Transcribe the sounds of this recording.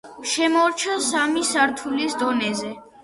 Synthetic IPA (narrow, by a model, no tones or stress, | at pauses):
ʃɛmɔɾt͡ʃʰɔsamisaɾt̪ʰulisd̪ɔnɛzɛ